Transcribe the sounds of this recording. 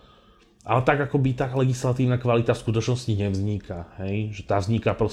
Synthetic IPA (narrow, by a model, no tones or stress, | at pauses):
ʔa̰lɛt̪aɡakɔbit̪alɛɡislat̪iːʊnakʋalit̪afskut̪ɔt͡ʃnɔsciɲɛvzɲikʰahɛjʒɛt̪aːvzɲikapɾɔs